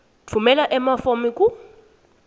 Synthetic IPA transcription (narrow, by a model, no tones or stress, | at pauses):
tʰumɛlaʔɛmafomiku